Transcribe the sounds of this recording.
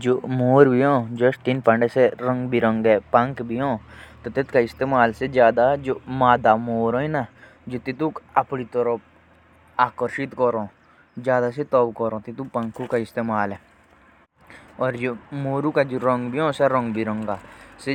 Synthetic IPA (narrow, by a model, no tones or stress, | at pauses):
d͡ʒoːmoːɾbʱiɦõːd͡ʒəst̪inpɐ̃ɳɖeseɾə̃ŋɡbʱiɾə̃ŋɡɛpɐ̃ŋkbʱiɦõːt̪ot̪ɪt̪kaɪst̪eːmaːlsed͡ʒjaːd̪ad͡ʒoːmaːd̪amoːɾõĩna | d͡ʒot̪it̪ukɐpnit̪ɔɾɔp̚ | aːkəɾʃɪt̪kɔɾõː | d͡ʒjaːd̪aset̪ɔbkɔɾõːt̪it̪upɐ̃ŋkʰukaɪst̪eːmaːlɛ | ɔːɾd͡ʒoːmoːɾukad͡ʒoɾəŋɡbʱiɦõːsɛɾə̃ŋɡbʱiɾə̃ŋɡaːse